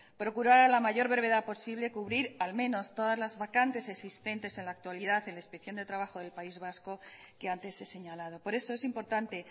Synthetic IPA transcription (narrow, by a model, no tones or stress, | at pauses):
pɾo̞kuɾaɾalamaʝo̞ɾβe̞ɾβ̞e̞ðapo̞siβle̞kuβɾiɾalmẽ̞no̞st̪o̞ðazlazβakant̪e̞se̞ksist̪ent̪e̞se̞nlaːk̚t̪waliðaθe̞nlaespeθjo̞nd̪e̞t̪ɾaβaxo̞ðe̞lpaizβasko̞ | ke̞ant̪e̞sːe̞se̞ɲalað̞o̞po̞ɾe̞soesimpo̞ɾt̪ant̪e̞